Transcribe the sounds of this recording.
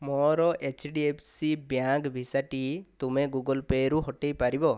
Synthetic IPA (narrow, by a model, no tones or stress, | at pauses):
mɔɾɔʔet͡ʃʰɖiepʰsibjakbʱisaʈit̪umeɡuɡɔlpeɾuɦɔʈejpaɾibɔ